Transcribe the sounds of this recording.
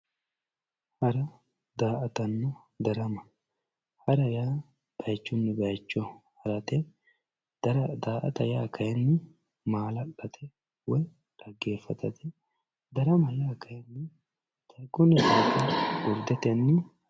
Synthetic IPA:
hɐɾɐ | d̪aːʔɐt̪ɐnːɔ | d̪ɐɾɐmɐ | hɐɾɐjaː | b̥ɐjt͡ʃːʊnːɪbɐjt͡ʃːɔhɐɾɐt̪ɛ | d̪̥ɐɾɐd̪aːʔɐt̪ɐjaːkʰɐjɐnːɪ | maːlɐɗɐt̪ʰɛ | wɔj | ᶑ̪̥ɐɡːeːfːɐt̪ɐt̪ɛ | d̪ɐɾɐmɐjaːkʰɐjɐnːɪ | t̪ɐjkʼːʊnːɪd̪aːtɐɡʊɾd̪ɛt̪ɐnːɪ

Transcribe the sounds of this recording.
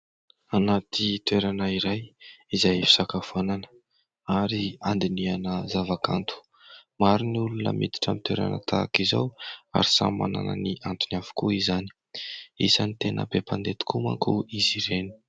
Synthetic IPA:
anat̪it̪weɾanəiɾajizajfi̥sakafananə̥ | aɾiand̪inianəzavaka̰nt̪ʰu̥ | maɾiniulunə̰mḭd̪i̥ʈ͡ʂamit̪weɾa̰nə̰t̪ʰakiza̰wa̰ɾisa̰ma̰na̰nə̰niʔant̪unafu̥kuizani̥ | ḭsanit̪enə̰pepand̪et̪i̥kuma̰kuiziɾeni̥

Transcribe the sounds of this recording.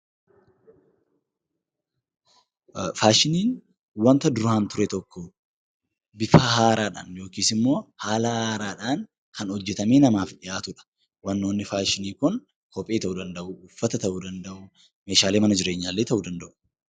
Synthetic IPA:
faːʃɪniːn | wɐnt̪ɐd̪ʊɾʊhaːnt̪ʊɾɛt̪ɔkːɔ | bɪfahaːɾaːᶑa̰ːnjo̞ːkiːsɪmːo̞ːhaːlɐhaːɾaːᶑaːŋ | kɐnhɔd͡ʒːɛt̪ɐmeːnɐmaːfᶑɪjaːt̪ʊᶑɐ̥ | wɐnːoːnːɪfaːʃɪniːkʊn | kɔpʼe̞ːt̪ɐʔuːd̪ɐnd̪ɐʔʊːfːɐt̪ɐt̪ɐʔuːd̪ɐnd̪ɐʔʊ | me̞ːʃaːle̞ːmɐnɐd͡ʒɪɾe̞ːɲːaːlːe̞ːt̪ɐʔuːd̪ɐnd̪ɐʔʊ̥

